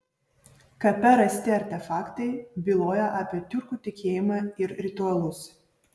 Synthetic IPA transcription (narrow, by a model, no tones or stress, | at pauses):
kɐpʲɛɾɐsʲt̪ʲɪɐɾʲt̪ʲɛfɑːkt̪ɐɪbʲilˠoːjɛʔɑːpʲiɛt̪ʲʊɾkuːt̪ʲɪkʲeːjɪmɑːɪɾɾʲɪt̪ʊɐlˠʊs